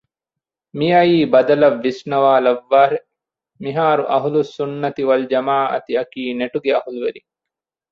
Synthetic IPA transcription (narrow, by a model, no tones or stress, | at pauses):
mijɐjiːbɐd̪ɐlɐʋːisnɐʋaːlɐʋːaːɾe | miɦaːɾuʔɐɦulusunːɐt̪iʋɐld͡ʒɐmaːʔɐ̰t̪iɐkiːneʈuɡeɐhuluʋeɾi